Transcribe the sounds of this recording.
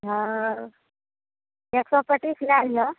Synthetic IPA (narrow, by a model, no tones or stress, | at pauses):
ɦə | eksɔpəʈiːslealijɔ